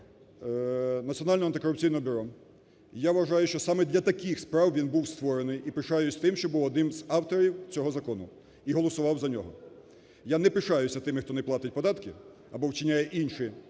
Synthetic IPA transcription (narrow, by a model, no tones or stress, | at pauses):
nɐtt͡sʲsʲiɔnɑlʲnɔɐnt̪ɪkɔɾʊpt͡sʲijnɔɔbʲʊɾɔ | jaʋʋɐʒɑjʊʃt͡ʃɔsɑmɛd̪ʲlʲɐt̪ɐkixspɾɑwʋʲinbuwst̪ʋɔɾenɪjipɪʃɑjʊsʲt̪ɪmʃt͡ʃɔbuwɔd̪nɪmzɑwt̪ɔɾʲiwt͡sʲɔɦɔzɐkɔnʊ | iɦɔlˠɔsʊʋɑwzɐnʲɔ̰ɦɔ | janɛpɪʃɑjʊsʲɐt̪ɪmɪxt̪ɔnɛplˠɑt̪ɪt̚ʲpɔd̪ɑt̪kɪ | ɐ̰bɔwt͡ʃɪnʲajɛʔinʲʃɪ